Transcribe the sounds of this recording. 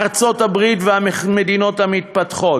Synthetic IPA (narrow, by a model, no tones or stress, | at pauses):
ʁt͡so̞tabʁit̪veammed̪ino̞tamit̪̚pat̪χo̞